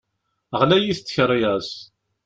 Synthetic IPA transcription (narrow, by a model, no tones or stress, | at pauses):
əʁlæjiθt͡sːçɾˤiæs